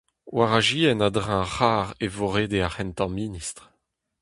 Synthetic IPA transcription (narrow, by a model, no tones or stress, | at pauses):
waʁaʒiɛnad̪ʁãχaːʁevoʁeːd̪eaχɛnt̪ɑ̃minist̪ʁ